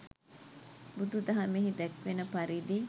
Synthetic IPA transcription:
bud̪ud̪ɐɦɐmiɦid̪ɛkʋenəpɐɾiːd̪i

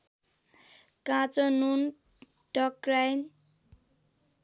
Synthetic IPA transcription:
kãt͡sonun | ʈʌkɾajn

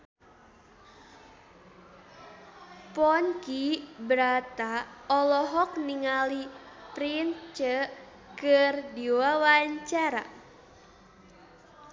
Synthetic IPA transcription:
pɔnkibəɾat̪aɔlɔɦɔk̚niŋalipɾint͡ʃə | kərdiwawaɲt͡ʃaɾa̰

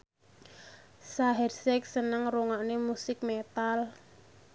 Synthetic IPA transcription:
saɦɛrsɛk̚sənəŋruŋaʔnemusɪk̚met̪al

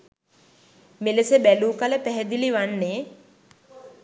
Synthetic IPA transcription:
meləsəbæluːkaləpæɦɛd̪iliʋanːeː

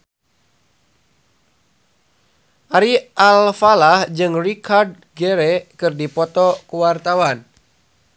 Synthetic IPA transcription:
ʔaɾiʔalfalahd͡ʒɨŋrikʰard̚ | ɡɛɾɛkɨrdipɔt̪ɔkuwart̪awan

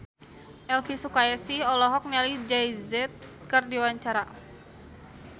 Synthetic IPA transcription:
ʔɛlfisukaɛsiɔlɔɦɔk̚nɛlid͡ʒajzɛt̪̚kɨrdiwaɲt͡ʃaɾa

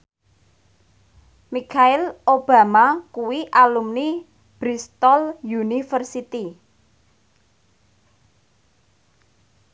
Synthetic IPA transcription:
mikʰaɪlob̥a̤makuwiʔalumni | b̥ɾist̪ɔljunifərsit̪i

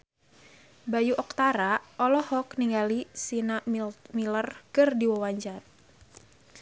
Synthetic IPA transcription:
bajuʔɔk̚t̪aɾaɔlɔhɔkniŋɡalisinamilərkɨrdiwɔwaɲd͡ʒat̪̚

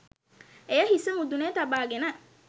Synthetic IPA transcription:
ejɐɦisɐmud̪uneːt̪ɐbaːɡenɐ

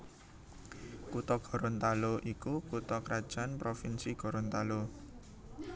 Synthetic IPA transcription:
kut̪ɔɡ̥ɔ̤ɾɔnt̪aloʔikukut̪ɔkɾad̥ʒ̥a̤npɾofinsiɡ̥ɔ̤ɾɔnt̪alo

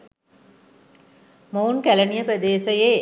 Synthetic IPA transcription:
mounkælənijəpɾəd̪eːsəje

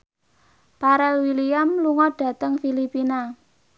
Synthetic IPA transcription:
paɾɛlwiliamluŋɔɖ̥ä̤t̪əŋfilipina

